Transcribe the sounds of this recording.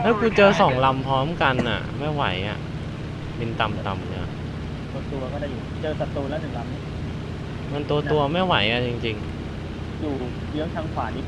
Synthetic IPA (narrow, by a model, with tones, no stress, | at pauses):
lɛː˦˥wku˧t͡ɕɤː˧sɔː˩˦ŋla˧mpʰɾɔː˦˥mka˧nʔa̰˨˩ma˥˩jwa̰˨˩˦jʔa̰˨˩ | pe˧nt̪a˧mt̪a˧mja̰˧˩ | t̪u˧ɐt̪u˧ɐkɔː˥˩da˥˩juː˨˩t͡ɕɤː˧sa˨˩t̪uː˧lːwnʰɯ˩˦ŋla˧mniː˦˥˩ | ma˧nt̪u˧ɐt̪u˧ɐma˥˩jwa˨˩˦jʔa˨˧˩t͡ɕi˧ŋt͡ɕi˧ŋ | juː˨˩ | jɯ˦˥əŋt̪ʰaː˧ŋkʰaː˨˩˦ni˦˥˩